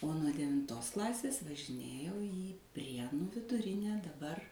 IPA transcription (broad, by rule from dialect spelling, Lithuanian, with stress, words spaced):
oː nuɔ dʲɛʋʲɪnˈtoːs ˈklˠɑːsʲeːs ʋɐʒʲɪˈnʲeːjɛʊ iː ˈpʲrʲiɛnʊ ʋʲɪdʊˈrʲɪnʲɛ dɐˈbɐr